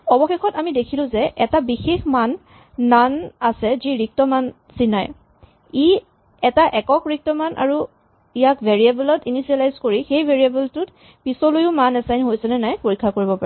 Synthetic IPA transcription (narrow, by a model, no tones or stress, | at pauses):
ɔbɔxexɔtamidekʰilʊ̃zɛʔɛtabixexmanː | anasɛziɹik̚tɔman | sinaj | i | ɛtaʔɛkɔkɹik̚tɔmanʔa̰ɹu | ijakvʱeɹiabɛlɔtinisialajzkoɹixejbʱeɹiabɛltʊt | pisɔlojʊmanɛsajnɦojsɛnɛnajpoɹikʰːakoɹibɔpaɹ